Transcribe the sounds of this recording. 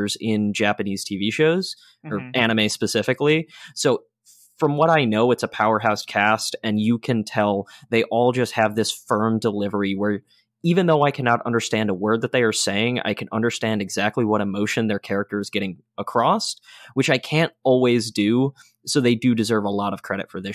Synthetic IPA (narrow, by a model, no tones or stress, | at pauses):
ə˞zɪ̃nd͡ʒæpɨniz̥tʰiviʃoʊz̥ | ə˞æñɨmeɪspɨsɪfɨklisoʊ | fɹʌ̃mwʌɾaɪnoʊɨtsəpʰaʊə˞ɦaʊskʰæstɨ̃njɨkʰɨ̃ntʰɛlˠðeɪʔɔlˠd͡ʒʌst̚hɨvðɪsfɜ̃˞mdəlɪvə˞iwə˞ | ivɨ̃nðoʊaɪkʰænɑɾʌ̰̃ndə˞stæ̃ndəwɜ˞d̪̚ðɨt̪̚ðeɪə˞seɪɪ̃ŋa̰ɪkʰɨ̃nʌ̰̃ndə˞stæ̃ndɨɡzæk̚tˡliwʌɾəmoʊʃɨ̃nðə˞kʰɛɹɨk̚tə˞ɨzɡɛɾɪ̃ŋ | əkʰɹ̥ɔswɨt͡ʃaɪkʰæ̃ntɔlˠwizdʉ | soʊðeɪdɨdɨzɜ˞vəlɔɾʌv̥kʰɹ̥ɛɾɨ̰tfə˞ðɪ